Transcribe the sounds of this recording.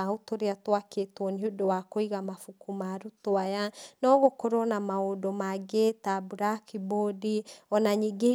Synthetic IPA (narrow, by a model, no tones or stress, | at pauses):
aotoɾeatoaketwɔniodowakoiɣamafukumaːɾutoajanɔːɣokoɾonamaodɔmaɡetabuɾakibodiɔnaɲiɡe